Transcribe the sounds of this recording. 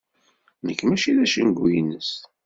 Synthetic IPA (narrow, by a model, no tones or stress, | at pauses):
nəkːmæʃiðæʃənɡujinːəs